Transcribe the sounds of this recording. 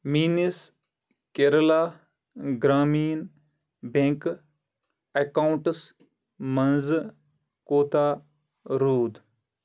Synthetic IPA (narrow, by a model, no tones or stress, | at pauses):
miːnis | keɾəla | ɡɾaːmiːn | bẽŋk | ekaːwɳʈs | mɐnz | koːt̪aː | ɾuːd̪